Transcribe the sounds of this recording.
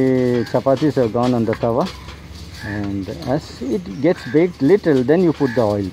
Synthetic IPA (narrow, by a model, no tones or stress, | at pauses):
t͡ʃɐpaːt̪isɛʋɡɔ̃ːnɔ̃nd̪ɐt̪ʰɐʋa | ɛ̃ɳɖɛzɪʈɡeʈsbekʈlɪʈəld̪ɛ̃njuːpʊʈ̚d̪əɔɪl